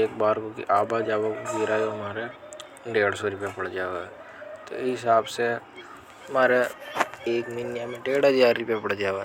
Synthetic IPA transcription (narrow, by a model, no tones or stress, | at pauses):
eːk̚baːɾkokḭʔaːbad͡ʒaːʋaɡiːɾajoɦmaːɾe | ɖeːɽsoɾʊpjapɐɽd͡ʒaːʋa | t̪o̰ɦɪsaːbse | ɐmaːɾeeːkminjamẽɖeːɽɦəzaːɾːʊpjapɐɽ̤d͡ʒaːa